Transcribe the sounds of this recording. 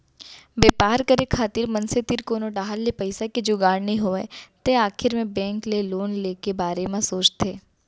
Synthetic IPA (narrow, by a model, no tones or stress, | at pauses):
beːpaːɾkɐɾekʰaːt̪ɪɾmɐnset̪ɪɾkoːnoɖaːɦəlːepɐɪsakid͡ʒoːɡaːɽnĩɦoːɛt̪eaːkʰɪɾmẽbɛ̃ːŋkleloːnleːkebaːɾemãsoːt͡ʃt̪ʰeː